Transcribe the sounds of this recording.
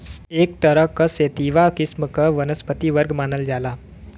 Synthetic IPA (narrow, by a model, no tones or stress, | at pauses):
eːk̚t̪ɐɾəɦkɐseːt̪iːʋakɪsmkɐʋɐnəspət̪iʋəɾɡmaːnəld͡ʒaːlaː